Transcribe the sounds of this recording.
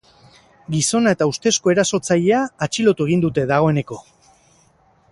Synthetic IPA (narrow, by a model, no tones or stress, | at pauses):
ɡiso̞nae̞t̪aust̪e̞sko̞e̞ɾaso̞t͡saʎe̞aːt͡ʃilo̞t̪ue̞ɣ̞ind̪ut̪e̞ðaɣ̞o̞e̞ne̞ko̞